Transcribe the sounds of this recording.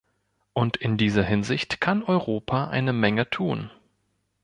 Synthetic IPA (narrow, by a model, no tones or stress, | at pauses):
ʔʊntɪndiːzɐɦɪnzɪçtkʰanɔʏʁoːpʰaʔa̰ɪnəmɛŋətʰuːn